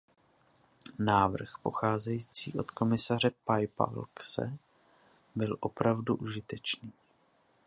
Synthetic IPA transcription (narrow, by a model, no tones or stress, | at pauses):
naːvr̩xpo̞̰xaːzɛjiːt͡sḭːʔo̞t̪ko̞mɪsar̝ɛpajpa̰lksɛ̰ | bɪlʔo̞pɾavduʔuʒɪt̪ɛt͡ʃniː